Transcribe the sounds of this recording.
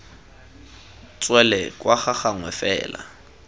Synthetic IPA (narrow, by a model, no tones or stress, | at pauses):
t͡sʼwɛlɛkʼwaχaχaŋwɛfɛ̰ːla̰